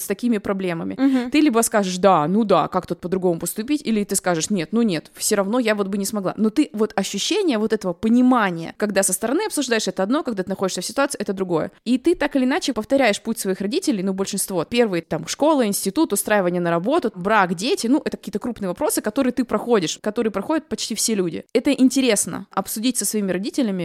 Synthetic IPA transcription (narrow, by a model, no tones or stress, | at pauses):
st̪ɐkʲimʲɪpɾɐblʲe̞məmʲɪ̰t̪ɨlʲibəskaʐɨʂd̪anud̪a̰kakt̪ut̪̚pəd̪ɾʊɡo̞mʊpəst̪ʊpʲitʲilʲɪt̪ɨskaʐɨʂnʲe̞t̪nunʲe̞t̪fsʲoɾɐvno̞javo̞t̪̚bɨnʲɪsmɐɡlˠa̰no̞t̪ɨvo̞t̪ɐɕːʉɕːenʲɪjəvo̞t̪ɛt̪əvəpənʲɪmanʲɪjə̰kɐɡ̚d̪asəst̪əɾɐnɨɐpsʊʐd̪ajɪʂɛt̪əɐd̪nokɐɡd̪at̪ɨnɐxodɪʂsʲəfsʲɪt̪ʊat̪sɨɛt̪əd̪ɾʊɡo̞jə̰it̪ɨt̪akɨlʲɪːnat͡ɕɪpəft̪ɐɾʲæjɪʂputʲsvɐixɾɐdʲitʲɪlʲɪjnubəlʲʂɨnst̪vo̞pʲe̞rvɨjət̪amʂko̞lˠɨɪnʲsʲtʲɪt̪ut̪ʊst̪ɾajɪvənʲɪjənəɾɐbo̞t̪ʊbɾakdʲetʲɪnuʔɛt̪əkɐkʲiːt̪əkɾupnɨjəvɐpɾo̞sɨkɐt̪o̞ɾɨjət̪ɨpɾɐxo̞dʲɪʂkɐt̪o̞ɾɨjəpɾɐxo̞dʲɪt̪̚pɐt͡ɕtʲifsʲelʲudʲɪ̰ɛt̪əʔɪnʲtʲɪɾʲe̞snə̰ʔɐpsʊdʲitʲsəsvɐimʲɪɾɐdʲitʲɪlʲɪmʲɪ